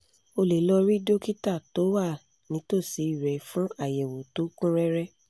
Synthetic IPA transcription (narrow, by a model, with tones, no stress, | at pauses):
o˧le˨˦lɔ˧ɾi˦do˦ki˦ta˦˨to˨˦wa˦˨ | nĩ˨˦to˦˨si˨˦i˦˨ɾɛ˨fũ˦a˦˨jɛ˨wo˨to˨˦kũ˦ɾɛ˦ɾɛ˦